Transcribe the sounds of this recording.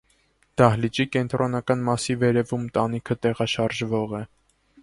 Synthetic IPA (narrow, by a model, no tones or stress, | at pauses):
d̪̥ɑhlit͡ʃikɛnt̪ɾʔɔnɑkɑnmɑsivɛɾɛvumt̪ɑn̪ikʰət̪ɛʁɑʃɑɾʒvɔʁɛ